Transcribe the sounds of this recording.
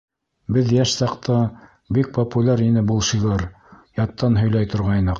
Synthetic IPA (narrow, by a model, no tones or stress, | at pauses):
bɘðjæʃsɑqt̪ʰɑ | bik̚populʲaɾinɘbulˠʃiʁɑɾ | jɑt̪ːɑnɦɵ̆jlæjt̪ŏɾʁɑjnɤq